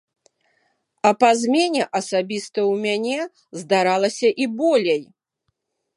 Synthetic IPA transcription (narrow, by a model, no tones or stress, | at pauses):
ɐpazʲmʲenʲɛʔɐsabʲist̪ɐwmʲanʲɛ | zd̪aɾalˠɐsʲɐʔibɔlʲej